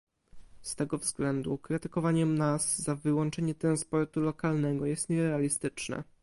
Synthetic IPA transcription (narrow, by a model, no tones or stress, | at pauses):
st̪ɛɡɔvzɡlɛnd̪ukɾɘt̪ɘkɔvaɲɛmnasːavɘwɔnt͡ʂɛɲɛt̪ɾanspɔɾt̪ulɔkalnɛɡɔjɛst̪ɲɛɾɛalʲist̪ɘt͡ʂnɛ̰